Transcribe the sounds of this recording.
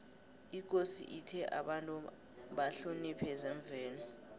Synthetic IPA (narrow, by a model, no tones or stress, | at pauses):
ik̬osḭʔitʰɛʔa̰ɓantʼu | ɓaɬunipʰɛzɛɱb̪vʱɛːnɔ